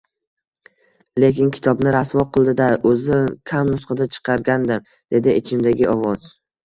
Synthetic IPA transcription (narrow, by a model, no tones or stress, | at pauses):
le̞kʲɪnkʲʰɪ̥t̪ʰɒbnɪɾasvɒqɨlˠd̪ɪd̪aɵzɪkʲʰamnʊsqʰɨd̪at͡ʃʰɨ̥qʰɑɾɡʲand̪ɪm | d̪̥e̞d̪ɪɪt͡ʃʰɪmd̪aɡʲɪɒvɒz̥